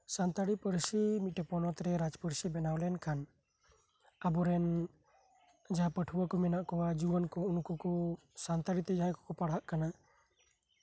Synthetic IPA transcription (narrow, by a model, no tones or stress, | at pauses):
sant̪aɽipəɾsimit̪̚ʈɛpɔnɔt̪ɾɛɾad͡ʒpəɾsibɛnawlɛnkʰan | abɔɾɛn | d͡ʒaɦapəʈʰuwakɔmɛnaʔkɔwad͡ʒubənkɔunkɔkɔ | sant̪aɽit̪ɛd͡ʒaɦakɔ̥kɔpaɽ̤aʔkana